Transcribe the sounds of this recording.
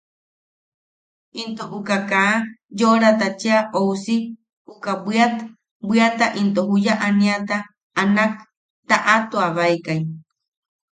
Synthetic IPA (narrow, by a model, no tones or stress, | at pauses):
int̪oʔukakajoɾat̪at͡ʃeaʔousi | ukabiat̪a | bʷiat̪aʔint̪oɦujaʔanĩat̪aː | nak̚ | t̪aʔat̪uaβaikaj